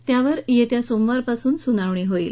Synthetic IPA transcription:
t̪jaʋəɾjet̪jasomʋaɾpasuːnsunaʋɳ̃iːɦoḭːl

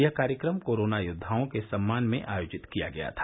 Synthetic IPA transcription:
jɐkaːɾjəkɾəmkoːɾoːnajʊd̪ʱːaːõkesɐmːaːnmḛ̃ʔaːjoːd͡ʒɪt̪kija̰ɡɐja̰t̪ʰḁ

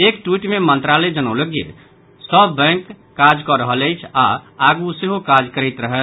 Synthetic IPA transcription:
ekʈwiʈmemə̃nt̪ɾaled͡ʒənəwləɡijḛ | səbːɛ̃ŋkː | ad͡ʒkɔɾəɦələjt͡ʃʰaaɡuseɦokad͡ʒkəɾɛt̪ɾəɦə

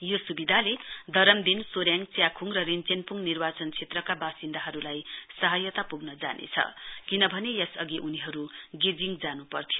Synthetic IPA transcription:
josubid̪ʱaled̪ʱʌɾʌmd̪insoɾjaŋt͡sjakʰuŋrʌrint͡senpuŋnirbat͡sʌnt͡sʰet̪rʌkabasind̪aɦʌɾulajsʌɦʌjʌt̪apuɡnʌd͡za̰nʔḛt͡sʰʌ̰kinʌbʱʌnejʌsʌɡiʔuniɦʌɾuɡed͡ziŋd͡zanupʌrt̪ʰijo

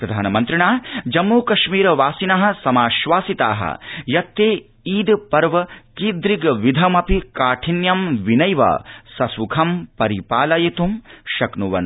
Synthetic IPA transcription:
pɾɐd̪ʱaːnɐmɐnt̪ɾiɳaːd͡ʒɐmːuːkɐʃmiːɾɐʋaːsinɐɦɐ̆sɐmaːʃʋaːsit̪aːɦɐ̰jɐt̪ːeː | iːd̪pɐɾʋɐkiːd̪ɾiɡʋid̪ʱɐmɐpikaːʈʰinjɐmʋinɐjʋɐ̰sɐsukʰɐmpɐɾipaːlɐjɐt̪umʃɐknuʋɐ̰n

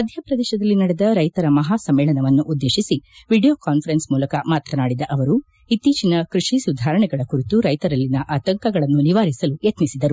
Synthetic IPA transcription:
mɐd̪ʱjɐpɾɐd̪ɛːʃɐd̪ɐlːinɐɽɛd̪ɐɾɐjt̪ɐɾɐmɐɦaːsɐmːɛːɭɐnɐʋɐnːuʔud̪ːeːʃisiʋiɖijoːkaːnfʰɐɾensmuːlɐkɐmaːt̪ɾɐnaːɽid̪ɐʔɐʋɐɾu | it̪ːiːt͡ʃinɐkɾuʂisud̪ʱaːɾɐɳɛɡɐɭɐkuɾit̪uɾɐjt̪ɐɾɐlːinɐʔaːt̪ɐŋkɐɡɐɭɐnːuniʋaːɾisɐlujɐt̪nisid̪ɐɾu

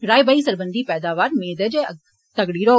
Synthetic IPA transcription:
ɾaːjbaːisəɾbənd̪iːpɛːd̪aːʋaːɾmeːd̪əd͡ʒ | t̪ɐɡɽiːɾo

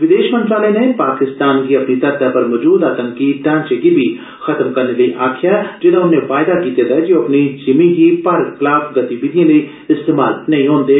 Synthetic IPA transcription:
ʋɪd̪eːʃmə̃nt̪ɾaːlənepaːkɪst̪aːnkiɐpnit̪ɐɾd̪apɐɾmɔd͡ʒuːd̪aːt̪ə̃ŋkiʈãːnt͡ʃeɡibʱi | xɐt̪mkɐɾneləiʔaːkʰjad͡ʒɪd̪ãʊnːẽfaːjd̪akiːt̪ed̪ɐɦed͡ʒoɐpnid͡ʒɪmiɦipaːɾɡklaːbɡɐt̪ibɪd̪ijãləi | ɪst̪eːma̰ːlnɐɦĩɦõːnd̪eː

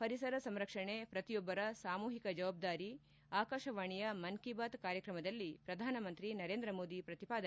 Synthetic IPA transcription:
pɐɾisɐɾɐsɐmɾɐkʂɐɳepɾɐt̪ijɔbːɐɾɐsaːmuːɦikɐd͡ʒɐʋaːb̚d̪aːɾi | aːkaːʃɐʋaːɳijɐmɐnkibaːt̪kaːɾjɐkɾɐmɐd̪ɐlːipɾɐd̪ʱaːnɐmɐnt̪ɾinɐɾeːnd̪ɾɐmoːd̪ipɾɐt̪ipaːd̪ɐ

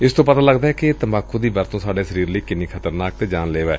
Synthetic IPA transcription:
ɪst̪õːpət̪ãːləɡd̪aːɦɛːkɪt̪əmaːkʰːõːd̪iːbəɾt̪õːsaːɖeːsəɾiːɾləiːkɪniːkʰət̪əɾnaːk̚t̪eːd͡ʒaːnleːʋɛː

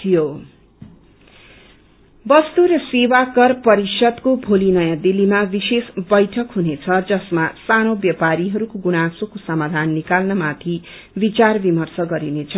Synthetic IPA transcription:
t̪ʰijo | bʌst̪uɾʌsewakʌrpʌɾisʌd̪kobʱolinʌjad̪ilimabisesbʌjʈʰʌkɦunet͡sʰʌd͡zʌsmasanobjʌpaɾiɦʌɾukoɡunasokosʌmad̪ʱanːikalnʌmat̪ʰi | bit͡sarbimʌrsʌɡʌɾinet͡sʰʌ

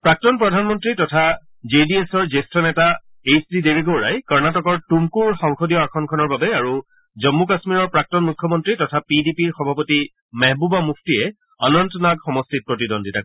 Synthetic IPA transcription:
pɹak̚tɔnpɹɔdʱanmɔntɹitɔtʰa | zediesɔɹzestɹɔnɛta | esdideɹiɡowɹa̰jkɔɹnatɔkɔɹtumkuɹxɔŋxodijɔakʰɔnkʰɔnɔɹbabɛaɹu | zɔmːukasmiɹɔɹpɹak̚tɔnmukʰːjɔmɔntɹitɔtʰapidipiɹxɔbʱapoti | mɛɦbubamuk̚ʰtiɛ | anɔntɔnakxɔmɔstit̚pɹotidɔnditak

